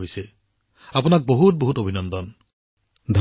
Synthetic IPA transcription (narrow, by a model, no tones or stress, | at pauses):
ojsɛ | apunak̚boɦut̚boɦutobʱinɔndɔn | d̪ʱ